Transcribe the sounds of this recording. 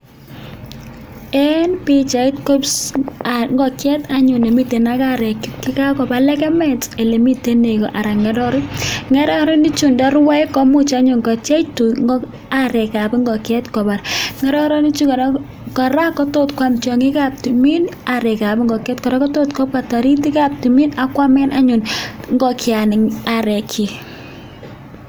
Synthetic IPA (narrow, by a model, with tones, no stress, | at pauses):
ɛ˦npɪ˦t͡ʃa˨ɪ˦tko˦ps | ŋɡɔ˨kjɛ˦ta˨ɲʊ˨ne˨mi˦te˨na˦ka˦ɾɛ˨kkɪ˦ka˦kɔ˨pa˨lɛ˦kɛ˦mɛ˦te˨le˨mi˦te˦ne˨kɔ̰˨ʔa˨ɾa˨ŋɛ˨ɾɔ˦ɾɔ˦ŋɛ˦ɾɔ˦ɾɔ˦ni˦t͡ʃu˨ndɔ˦ɾwa˦ɛ˦kɔ˦mʊ˦t͡ʃa˦ɲo˨ŋɡɔ˨t͡ʃa˦tu˨ŋ˦ | aɾɛ˨ka˨pŋɡɔ˨kɛ˦tkɔ˨ba˨ɾŋɛ˦ɾɔ˦ɾɔ˦ni˦t͡ʃu˦kɔ˨ɾ | kɔ˨ɾa˦kɔ˦to˦tkwa˦mt͡ʃɔ˨ŋi˦ka˦p̚ti˨mi˦naɾɛ˨ka˨pŋɡɔ˨kɛ˦tkɔ˨ɾɛ˦kɔ˦to˦tkɔ˦pata˨ɾi˦t̬i˦ka˦p̚tu˨mi˦na˦kwa˦mɛ˦na˦ɲʊ˨nŋɡɔ˦kja˨nɪ˨ŋa˨ɾɛ˨kʰi˨